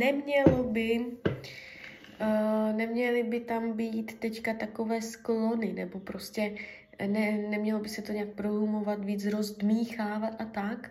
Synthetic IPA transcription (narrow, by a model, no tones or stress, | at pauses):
nɛmɲɛlobɪ | nɛmɲɛlɪbɪt̪ambiːt̪ːɛckat̪ako̞vɛːsklo̞nɪnɛbo̞pɾo̞scɛ | nɛnɛmɲɛlo̞bɪsɛt̪o̞ɲɛak̚pɾoɦumo̞vat̪viːt͡sɾo̞zd̪miːxaːvat̪ʔat̪ak